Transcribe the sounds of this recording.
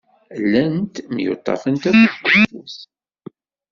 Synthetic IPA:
lːænt̪mjo̰t̪ˤːɑ̰fənt̪æfəəfuθ

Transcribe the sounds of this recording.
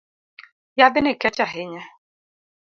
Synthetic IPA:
jabɪneket͡ʃaɦeɲa

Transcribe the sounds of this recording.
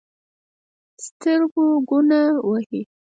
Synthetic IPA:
st̪əɾɡoɡunawahi

